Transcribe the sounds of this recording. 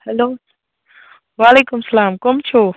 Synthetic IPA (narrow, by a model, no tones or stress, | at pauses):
hɐloː | waːleːkʊmsɐlaːmkomt͡ʃʰo